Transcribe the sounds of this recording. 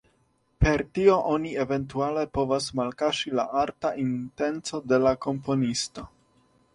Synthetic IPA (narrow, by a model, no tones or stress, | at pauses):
pe̞ɾtio̞ʔonie̞ve̞nt̬uale̞po̞vasmalkaʃila̰ʔaɾtaʔinte̞nt͡so̞de̞lako̞mpo̞nisto̞